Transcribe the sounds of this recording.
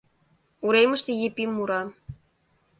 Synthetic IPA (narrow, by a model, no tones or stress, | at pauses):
uɾejmə̆ʃt̪ĕjepimːuɾɑ